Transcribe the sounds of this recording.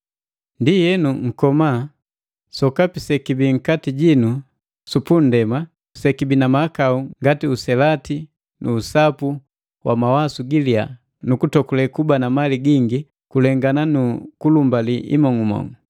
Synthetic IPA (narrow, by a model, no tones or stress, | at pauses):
ndijɛnuŋ̩kɔma | sɔkapisɛkibiŋ̩katiɟinu | supun̩dɛma | sɛkibinamakauŋɡatiusɛlati | nʔuːsapu | wʔa̰mawasuɡilia | nukutɔkulɛkubanamaliɡiŋɡi | kulɛŋɡananukulumbaliʔḭmɔŋumɔ̰ŋu